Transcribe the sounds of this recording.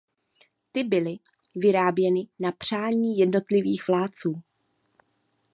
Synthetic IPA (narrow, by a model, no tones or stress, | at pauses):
t̪ɪbɪlɪ | vɪɾaːbjɛnɪnapr̝̥aːɲiːjɛdno̞t̪lɪviːxvlaːt͡suː